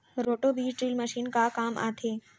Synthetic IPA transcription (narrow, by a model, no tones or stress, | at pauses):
ɾoːʈobiːzʈɾiːlməʃiːnkakaːmʔa̰ːt̪ʰeː